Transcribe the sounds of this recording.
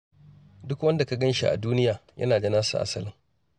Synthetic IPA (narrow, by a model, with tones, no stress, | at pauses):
dʊ˦kwɐ˦nda˨ka˨ɡɐ˦nʃi˦ʔa̰˨duː˦nɪ˦jaː˨jʔɐ̰˦naː˨d͡ʒɐ˦naː˦sṵ˨ʔa̰˨sɐ˦lɪ˨ŋ